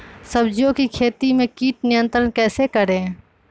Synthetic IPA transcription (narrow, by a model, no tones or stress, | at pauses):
sɐbd͡ʒjõkikʰeːt̪imẽkiːʈ̚nɪjə̃nt̪ɾənkɛːsekɐɾẽː